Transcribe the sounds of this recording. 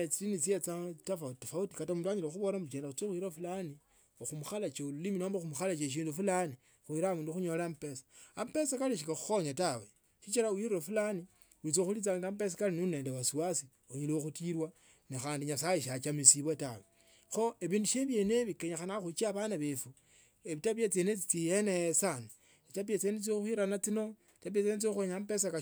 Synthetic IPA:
et͡silinit͡siet͡satafautifauti̥katamuːnduaɲilexuβo̞lamut͡ʃeːndaxut͡sexwiɾofulani | oxumuxalat͡ʃeululiminoːmbaxumuxalat͡ʃeʃ̬iːndufulani | xwiɾamuːnduxuɲo̞lampesḁampe̞sakaliʃ̬ikaxu̥xoɲatawe | ʃit͡ʃiɾawiɾɾofulani | wit͡soxulit͡saːŋɡampes̬akalinuneːndewasiwasi | oɲilioxutiɾwa | nixaːndiɲasajiʃat͡ʃamisiβwata̰we | xoeβiːnduʃeβjeneβikeɲaxanaxut͡ʃiaβanaβefu | eβitapjet͡senet͡sit͡sijeneesana | βitapet͡senet͡souxiɾanat͡sino | itapet͡sinet͡soxweɲampesaka

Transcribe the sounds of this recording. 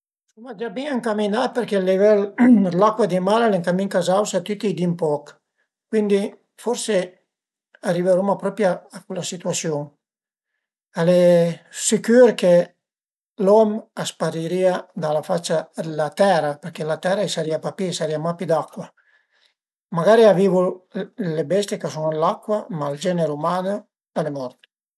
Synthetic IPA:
sumad͡ʒabiŋaŋkaminapeɾkelivɛllakwad̪imalaleŋkamiŋkazawsat̪yt̪id̪impɔk | kːwind̪i | foɾse | ariveɾumapɾɔpjaːkwelasit̪wasjoŋ | alɛsikyɾke | lɔmaspaɾiɾiːad̪alafat͡ʃːad̪elat̪ɛɾapeɾkelat̪ɛɾaisaɾiapapisaɾiamapid̪akːwa | maɡaːɾiaviːvulebɛst̪jekasunlakːwamald͡ʒɛneɾumaːnə | d̪alemɔrt̪

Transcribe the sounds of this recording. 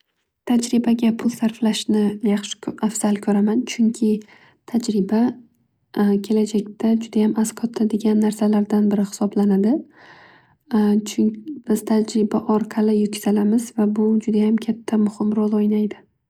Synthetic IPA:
t̪ʰad͡ʒɾɪbaɡʲapʰʊlˠsaɾflaʃnɪjɑχʃɪ̥afz̥alkʲʰɵɾamant͡ʃʰʊŋkʲʰɪ | t̪ʰad͡ʒɾɪba | kʲʰe̞lad͡ʒak̚ʲt̪ʰad͡ʒʊd̪ajamʔazqʰɒt̪ʰːad̪eɡʲanːaɾsalaɾd̪anbɪɾɪχɪ̥sɒblanad̪ɪ | ɪz̥t̪ʰad͡ʒɾɪbaʔɒɾqʰɑlɪjʊt̪̚kʲʰɪz̥alamɪzvabʊd͡ʒʊd̪ajamkʲʰat̪ʰːamʊhɪmɾolˠojnajd̪ɪ

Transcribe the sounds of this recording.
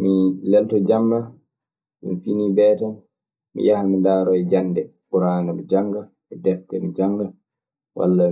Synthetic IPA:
milɛltɔd͡ʒamba | jṵnfinibɛtan | mḭjahamindaːɾɔɛd͡ʒanːdɛbuɾanamɛd͡ʒaŋɡa | ɛdɛfkɛmid͡ʒaŋɡa | wa̰lːa

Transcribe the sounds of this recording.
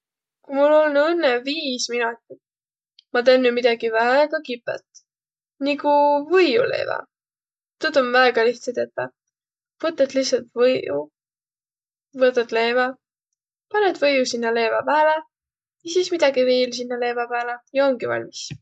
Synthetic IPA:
kumulːolnɤnːeviːsminut̪ːˑi | mɑt̪eːnːjumid̪̥ɑɡivæeɡ̥ɑkipːˑḛt̪ | nikuvɤjṵlḛːvɑ̰ | t̪ut̪onvæeɡ̥ɑliht̪set̪et̪ːɑ̰ | v̥ɤt̪ːˑet̪lihsɑlt̪vɤjṵ | vɤt̪ːɑt̪le̞ːvɑ | pɑned̪vɤjusinːɑle̞ːvɑpæːle | jɑsiːsmid̪̥ɑɡiveːls̬inːɑle̞ːvɑpæːlejɑo̞ŋɡivɑ̰lʲmis

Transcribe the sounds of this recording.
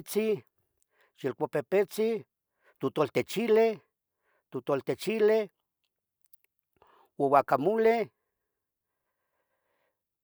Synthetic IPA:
t͡si | ʃilkʷapepet͡si | t̪ut̪olt̪et͡ʃile | t̪ut̪olt̪et͡ʃile | wowakamule

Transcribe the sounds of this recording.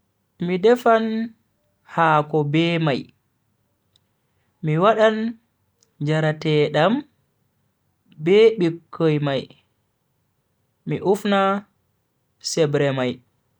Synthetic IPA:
midɛfan | haːkɔbɛːmaj | miwaɗan | d͡ʒaɾatɛɗam | bɛɓikʰːojmaj | miʔufna | sɛbɾɛmaj

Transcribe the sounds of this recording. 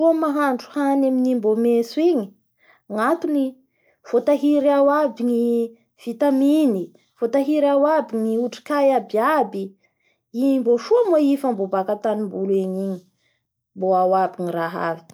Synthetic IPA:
uamaɦaɳɖ͡ʐu̥hanaminimbomesuiɲi̥ | ŋat̪uni | v̥ot̪aɦiɾawabiŋi | v̥it̪amini | v̥ot̪aɦiɾawabiɲŋiuʈ͡ʂi̥kajabiabi | iɲimboʃuamoifambobakat̪animbuleɲiɲi̥ | mboawabiɲiraɦa̰vi̥

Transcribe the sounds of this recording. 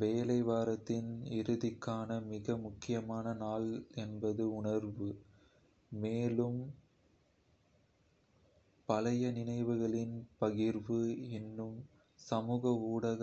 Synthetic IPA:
ʋeːlɐɪʋaːɾɐt̪ːɪnɪɾɯðɪkːaːnɐmɪɣɐmʊkːɪjɐmaːnɐnaːlɛnbɐðɯʊɳɐɾʋɯ | meːlɯm | pɐlɐjɐnɪnɐɪʋɯɣɐɭɪnpɐɣɪɾʋɯɪnːɯm | sɐmuːɣɐuːɽɐɣ

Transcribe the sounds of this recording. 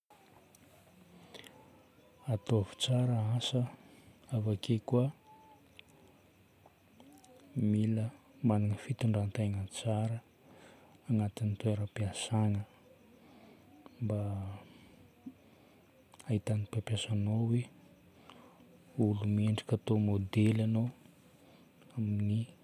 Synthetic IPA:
at̪ovi̥t͡saɾəasəavakʰekuə | milə | manaŋəfit̪uɳɖ͡ʐant̪eŋət͡saɾəː | ŋat̪init̪weɾəpiasaŋə | mba | aɦit̪anipjapjasanowe | ulumeɳɖ͡ʐi̥kʲat̪omod̪elano | amini

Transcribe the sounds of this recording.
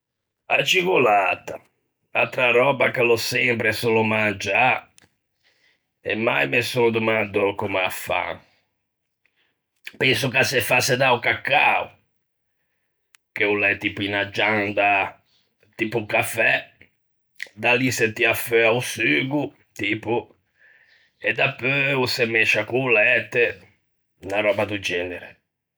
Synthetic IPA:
at͡ʃiɣolaːt̪a | a̰lt̪ɾaɾɔːbakalɔsɛmpɾɛsolɔmand͡ʒa | ɛ̰mːajmesod̪umand̪ɔkumafa̰ | pɛnsukasefased̪aukakːaṵ | k̟eulɛt̪ːiːpuinad͡ʒːand̪a | t̪iːpukafɛ | d̪aliset̪ːiafɛausyːɡu | t̪iːpu | ɛd̪apːøusemːɛʃakuːlɛt̪ːe | naɾɔːbad̪ud͡ʒɛːneɾe

